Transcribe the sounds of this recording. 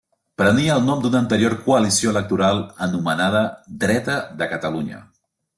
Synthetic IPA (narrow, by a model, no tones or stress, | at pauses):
pɾəniəːlˠnɔmd̪unənt̪əɾioɾkuəlisioələk̚t̪uɾalˠənumənað̞əd̪ɾɛt̪əðəkət̪əluɲə̰